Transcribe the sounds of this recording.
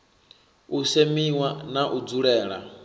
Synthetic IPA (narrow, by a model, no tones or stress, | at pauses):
usemiwanaʔud͡zuɺɛːɺa̰